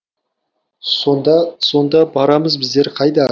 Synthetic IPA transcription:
snd̪so̞nd̪ɑbɑɾɑməzbɪzd̪e̞ɾqʰɑjd̪ɑ

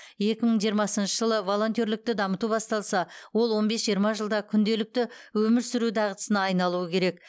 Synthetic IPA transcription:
je̞kʲɪməɴʒijəɾmɑsənʃəʒəlˠəvo̞lˠo̞nt̪ʲjoɾlɪk̚t̪ɪd̪ɑmət̪ubɑst̪ɑlˠsɑwo̞lˠwo̞nbe̞sʒijəɾmɑʒəlˠd̪ɑkʲʰʏnd̪e̞lɪk̚t̪ɪwɵmɪɾsʏɾud̪ɑʁət̪ə̥sənɑːjnɑlˠuəkʲʰe̞ɾe̞k

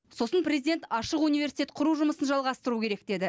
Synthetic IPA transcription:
so̞sənpɾʲe̞zid̪e̞nt̪ɑʃəqunijve̞ɾsi̥t̪ʲe̞t̪̚qʰʊɾuʒʊməsənʒɑlˠʁɑst̪əɾukʲʰe̞ɾe̞k̚d̪e̞d̪ɪ

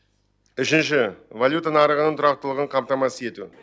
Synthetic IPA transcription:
ʏʃɪnʃɪvalʲjut̪anɑɾəʁənəɴt̪ʰʊɾɑq̚t̪əlˠəʁəɴqʰɑmt̪ɑmɑsəe̞t̪ṵ

